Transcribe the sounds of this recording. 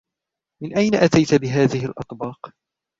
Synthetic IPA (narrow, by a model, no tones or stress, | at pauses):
mɪnʔajnaʔat̪ajt̪abɪɦaːðɪɦɪlʔɑ̰t̪ˤbɑːq